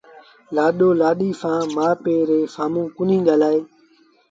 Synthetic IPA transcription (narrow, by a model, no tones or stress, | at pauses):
laːɗoːlaːɗiːsãːmaːpeːɾeːfaːmũːkʊnĩːɠaːlaːeː